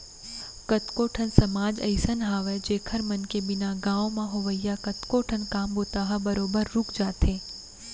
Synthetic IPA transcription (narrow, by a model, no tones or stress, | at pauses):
kət̪koːʈʰənsɐmaːd͡ʒɐ̰ɪsənɦaːʋed͡ʒeːkʰəɾmɐnkebɪnaɡãːʋõmãɦoʋəjjakɐt̪koːʈʰənkaːmboːt̪aːɦɐbəɾoːbəɾːʊkʰd͡ʒaːt̪ɦẽː